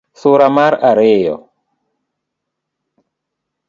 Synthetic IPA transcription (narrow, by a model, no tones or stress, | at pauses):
suɾamaɾaɾejɔ̰